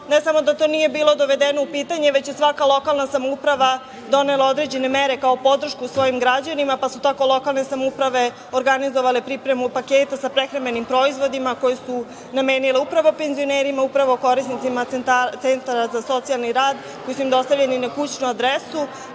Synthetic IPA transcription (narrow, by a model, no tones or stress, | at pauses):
nesamo̞d̪at̪o̞ːnije̞biːlˠo̞d̪o̞ʋe̞d̪eno̞upiːt̪aɲeʋe̞t͡ɕjesʋakalˠo̞kalˠnasamoupɾaʋa | d̪o̞ne̞lao̞d̪ɾe̞d͡ʑe̞ne̞meɾe̞kao̞po̞d̪r̩ʃkuːsʋo̞jimɡɾad͡ʑanimapasut̪ako̞lˠo̞kalˠne̞samupɾaʋe̞ | oɾɡanizoʋalepɾipɾe̞mupakeːt̪asapɾexɾamenimpɾo̞izʋo̞d̪imako̞jesu | name̞ːnileupɾaʋo̞pe̞nzio̞neːɾimaupɾaʋoko̞ɾisnit̪simat̪nt̪at̪se̞nt̪aɾazaso̞t̪sialˠniɾaːd̪ | ko̞jisuimd̪o̞st̪aʋʎe̞ninakut͡ɕnuad̪ɾesu